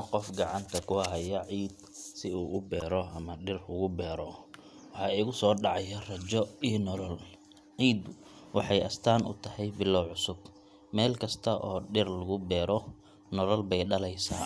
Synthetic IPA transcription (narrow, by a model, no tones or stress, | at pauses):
qɔfɡɑʕɑnt̪ʰɐkʰʊɐɦɐjɐʕiːd̪sɪuːʔʊbɛːɾɔɐmɐɖɪrʊɣʊbɛːɾɔ | wɑħɑːiːɣʊsɔːɖɑʕɑjɐrɐt͡ʃɔiːnɔlɔl | ʕiːd̪ʊ | wɑħɑjʔɐst̪ʰaːnʔʊ̰t̪ʰɐhɛjbɪlːɔwʕʊsʊb | mɛːlkʰɐst̪ʰɐʔɔːɖɪrlʊɣʊbɛːɾɔ | nɔlɔlbɛjɖɐlɛjsa̰ː